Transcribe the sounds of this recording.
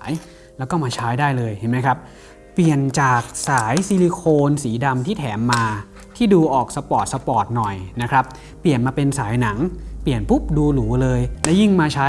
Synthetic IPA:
j | lɛː˦˥wkɔː˥˩maː˧t͡ɕʰaː˦˥jdaː˥˩jlɤː˧jha˨˩˦ma˦˥jkʰɾa˦˥p̚ | pːli˨˩ənt͡ɕaː˨˩k̚saː˩˦jsi˧li˧kʰoː˧nsiː˩˦da˧mt̪ʰiː˥˩t̪ʰɛː˩˦mːaː˧ | t̪ʰiː˥˩duː˧ʔɔː˨˩k̚sa˧pɔː˨˩t̪̚sa˧pɔː˨˩t̪̚nɔ˨˩jna˦˥kʰɾa˦˥p̚ː | li˨˩ənmaː˧pe˧nsaː˩˦jna˩˦ŋpli˨˩ənpu˦˥p̚duː˧luː˩˦lɤː˧jlɛ˦˥wji˥˩ŋmaː˧t͡ɕʰaː˦˥

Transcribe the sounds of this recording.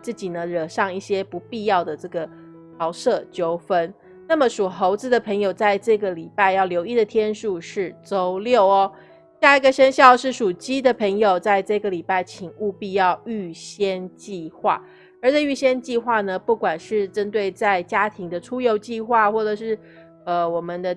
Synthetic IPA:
t͡sɹ̩˥˩t͡ɕi˨˩nə˦ɻə˨˩ʂɑ˥˧ŋi˥˩ɕjɛ˥pu˧˥pi˥˧jɑ˥˩ʊd̪ə˩ʈ͡ʂɤ˥˩ɡə˩ | t̪ʰɑ˧˥ʊʂɤ˥˩t͡ɕjo˥ʊfə˦˥n | na˥˩mə˨ʂu˨˩xo˧˥ʊt͡sɹ̩˧˩d̪ə˨pʰə˧˥ŋjo˨˩ʊt͡sa˥˧ɪʈ͡ʂɤ˥˩ɡə˩li˨˩pa˥˧ɪjɑ˥˩ʊljo˧˥ʊi˥˩d̪ə˨˩t̪ʰjɛ˥nʂu˥˧ʂɻ̩˥˩t͡so˥ʊljo˥˩ʊɔ˦ | ɕja˥˩i˧˥ɡə˨ɕə˥nɕjɑ˥˧ʊʂɻ̩˥˩ʂu˨˩t͡ɕi˥d̪ə˨pʰə˧˥ŋjo˨˩ʊt͡sa˥˧ɪʈ͡ʂɤ˥˩ɡə˩li˨˩pa˥˩ɪt͡ɕʰi˨˩ŋu˥˧pi˥˧jɑ˥˧ʊy˥˩ɕjɛ˥nt͡ɕi˥˨˧xwa̰˥˩ | ə˞˧˥t͡ɕʰɛ˨˩y˥˩ɕjɛ˥nt͡ɕi˥˧xwa˥˩nə˩pu˥˩kwa˨˩nʂɻ̩˥˩ʈ͡ʂə˥nt̪̬we˥˩ɪt͡sa˥˩ɪt͡ɕja˥t̪ʰi˧˥ŋd̪ə˧ʈ͡ʂʰu˥jo˧˥ʊt͡ɕi˥˧xwa˥˧xwɔ˥˩ʈ͡ʂɤ˨˩ʂɻ̩˥˩ | ə˧wɔ˨˩mə˦nd̪ə˧

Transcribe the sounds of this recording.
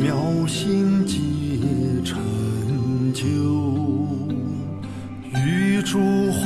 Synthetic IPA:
mjɑ˧˥ʊɕi˥ŋt͡ɕi˧ʈ͡ʂʰə˧˩nt͡ɕjo˥ʊʊ | y˧˥ʈ͡ʂʰu˥x

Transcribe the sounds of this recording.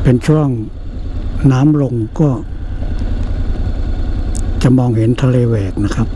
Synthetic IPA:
pe˧nt͡ɕʰu˥˩əŋ | naː˦˥mlo˧ŋkɔː˥˩ | t͡ɕa˨˩mɔː˧ŋɦe˩˦nt̪ʰa˧leː˧wɛː˨˩k̚na˦˥kʰɾa˦˥p̚

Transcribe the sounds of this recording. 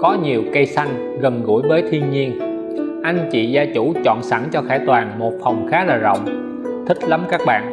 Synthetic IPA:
kɔ˨˦ɲi˨˩əwkə˧jsa˧jŋ̟ | ɣə˨˩nɣṵ˧˩əjvəː˨˦jt̪ʰi˧ənɲi˧ən | ʔa˧jŋ̟t͡ɕḭ˧˨zaː˧t͡ɕu˧˩t͡ɕɔ̰˧˨nsa˧˩ŋt͡ɕɔ˧xaː˧˩t̪waː˨˩nmo˨˩t̚fə˨˩wŋ͡mxaː˨˦laː˨˩zə̰˧˨wŋ͡m | t̪ʰï˦˥k̚la˨˦mkaː˦˥k̚ɓa̰ː˧˨n

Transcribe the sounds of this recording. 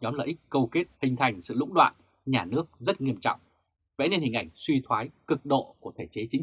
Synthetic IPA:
ɲɔ˨˦mlə̰ː˧˨jʔi˦˥k̟̚kə˧wke˦˥t̚hï˧˩ŋ̟t̪ʰa˧jŋ̟sɨ̰˧˨lʊ̰˧˥ŋ͡mɗwa̰ː˧˨n | ɲaː˨˩nɨ˦˥ək̚zə˦˥t̚ŋi˧əmt͡ɕɔ̰˧˨wŋ͡m | vḛ˧˥ne˧nhï˨˩ŋ̟ʔa˧˩jŋ̟swi˧t̪ʰwaː˨˦jkɨ˨˩k̚ɗo̰˧˨ku˧˩ət̪ʰe˧˩t͡ɕe˨˦t͡ɕï˨˦ŋ

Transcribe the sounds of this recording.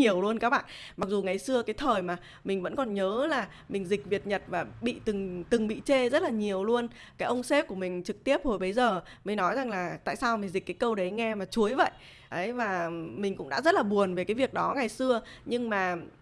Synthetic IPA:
ɲi˨˩əwlu˧ənkaː˦˥k̚ɓa̰ː˧˨nma˨˩k̚zu˨˩ŋa˨˩jsɨ˧əkaː˨˦jt̪ʰəː˨˩jmaː˨˩ | mï˨˩ŋ̟və̰˧˥nkɔ˨˩nɲəː˨˦laː˨˩ | mï˨˩ŋ̟zï˨˩k̟̚vi˨˩ət̚ɲə˨˩t̚vaː˨˩ɓḭ˧˨t̪ɨ˨˩ŋt̪ɨ˨˩ŋɓḭ˧˨t͡ɕe˧zə˦˥t̚laː˨˩ɲi˨˩əwlu˧ən | kaː˨˦jʔə˧wŋ͡mse˦˥p̚ku˧˩əmï˨˩ŋ̟t͡ɕɨ˨˩k̚t̪i˦˥əp̚ho˧˩jɓə˨˦jzəː˨˩mi˨˩ŋ̟nɔ˨˦jza˨˩ŋlaː˨˩t̪a̰ː˧˨jsaː˧wmï˨˩ŋ̟zi˨˩k̟kaː˨˦jkə˧wɗə˨˦jŋɛ˧maː˨˩t͡ɕu˨˦əjvə̰˧˨jʔ | ʔə˨˦jvaː˨˩mï˨˩ŋ̟kʊ̰˧˥ŋ͡mɗa̰ː˧˥zə˦˥t̚laː˨˩ɓu˨˩ənve˨˩kaː˨˦vi˨˩ək̚ɗɔ˨˦ŋa˨˩jsɨ˧əɲɨ˧ŋmaː˨˩

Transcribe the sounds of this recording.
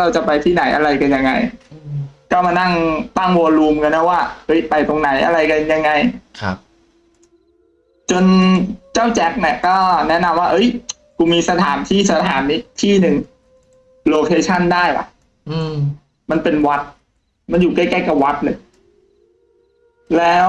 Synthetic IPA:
ɾa˧wt͡ɕa˨˩pa˧jt̪ʰiː˥˩na˨˩˦jʔa˧ɾa˧jka˧nja˧ŋːa̰˧j | kɔː˥˩maː˧na˥˩ŋt̪a˥˩ŋwu˧luː˧mka˧nːa˦˥˩waː˥˩ʔɤ˦˥jpa˧jt̪o˧ŋna˩˦jʔa̰˧ɾa˧jka˧nja˧ŋːa˧jkʰ | t͡ɕo˧nt͡ɕaː˥˩wt͡ɕɛ˦˥k̚ni˧˩kɔː˥˩nɛ˦˥na˧mwaː˥˩ʔɤ˦˥j | kuː˧miː˧sa˧t̪ʰaː˩˦nt̪ʰiː˥˩sa˧t̪ʰaː˩˦nːi˦˥t̪ʰiː˥˩nɯ˧ŋ | loː˧kʰeː˧t͡ɕʰa˥˩ndaː˥˩ja̰˨˩ʔ | ma˧npe˧nwa˦˥t̪̚ | ma˧njuː˨˩kaː˥˩jkaː˥˩ka˨˩wa˦˥t̪̚lɤː˧j | lɛː˦˥w

